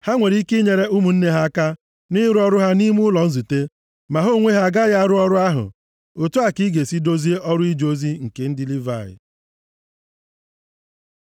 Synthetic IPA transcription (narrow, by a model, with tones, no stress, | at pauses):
ha˦ŋʷe˨ɾi˦i˦ki˦ɲe˨ɾe˦u˦mu˨n̩˦ne˦ɦa˦ka˦ | nɪ˦ɾʊ˦ɔ˦ɾʊ˦ɦa˦ni˦mʊ˦lɔ˨n̩˦zu˨te˦ | ma˨ɦo˦˨ŋʷe˦ɦa˨ɡa˦ja˦ɾʊ˦ɔ˦ɾʊ˦a˦ɦʊ̰˨ | o˨tu˦a˨ki˦ɡe˨si˦do˦zi˦e˦ʔɔ˦ɾʊ˦i˦d͡ʒo˦zi˦ŋ̩˨ke˨n̩˦dɪ˦li˦va˨ɪ̰˨